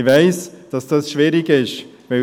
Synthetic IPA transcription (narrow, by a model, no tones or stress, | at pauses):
vaɪsd̥ɑsd̥asʃviːɾɪɡɪʃ | vaɪ